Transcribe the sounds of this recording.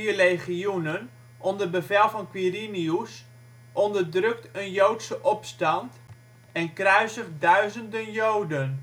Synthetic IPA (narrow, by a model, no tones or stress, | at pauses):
iərejχiunən | ʔɔndərbəvɛlˠvɔnkwirinius | ʔɔndərdrøk̚tənjowtsəʔɔpstɑnt | ɛnkrœɥzəχdœɥzəndənjowdən